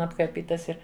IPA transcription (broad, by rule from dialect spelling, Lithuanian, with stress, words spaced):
ɐpkɐrʲˈpʲiːtɐɪs ˈɪr